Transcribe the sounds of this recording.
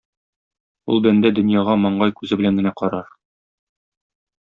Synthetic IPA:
ulˠbænd̪æd̪ɵ̆njɑʁɑmɒɴɢɑjkʉzɘbɘ̆læŋɡɘ̆næqɒɾɑɾ

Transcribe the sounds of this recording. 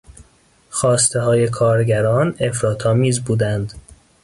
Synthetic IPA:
xɒːst̪e̞ɦɒːje̞kʰɒːɾɟæɾɒːne̞fɾɒːt̪ʰɒːmiːzbuːd̪ænd̪

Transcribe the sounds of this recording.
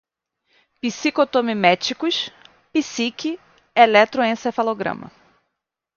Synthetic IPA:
pisikot̪õmimɛt͡ʃikʊs | pisiki | elɛt̪ɾoẽsefaloɡɾɐ̰̃mɐ̰

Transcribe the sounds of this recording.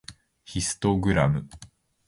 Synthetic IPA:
çisɨ̥t̪o̞ɡɯ̟ɾamɯ̟

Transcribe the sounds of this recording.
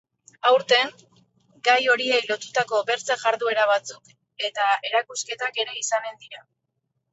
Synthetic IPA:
awɾt̪e̞ŋ | ɡajo̞ɾie̞jlo̞t̪ut̪ako̞βe̞ɾt͡saʝaɾðue̞ɾaβ̞at͡suk | e̞t̪ae̞ɾakuske̞t̪ake̞ɾe̞isane̞nd̪iɾa

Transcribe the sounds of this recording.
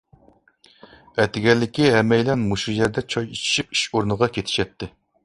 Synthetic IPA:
ɛt̪ɪɡʲɛlːɪkʲiɦɛmɛjlɛnmoʃujɛɾd̪ɛt͡ʃʰɑjit͡ʃʰi̥ʃip̚i̥ʃoɾnɨʁɑkʲet̪ʰɪ̥ʃɛt̪ʰːɪ

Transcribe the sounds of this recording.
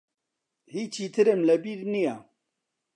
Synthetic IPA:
hiːt͡ʃʰiːt̪ʰɨɾɨmlɛbiːɾnija

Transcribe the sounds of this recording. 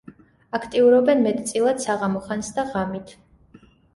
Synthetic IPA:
akʰt̪ʼiuɾɔbɛnmɛt̪ʰʼt̪sʼilˠad̪̥saʁamɔχansd̪aʁamit̪ʰ

